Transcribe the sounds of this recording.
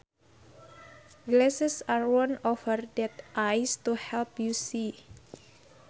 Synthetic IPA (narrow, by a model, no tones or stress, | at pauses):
ɡlɛsɛsarwɔ̃nɔfərdɛt̪ʔajst̪uhɛlpjusi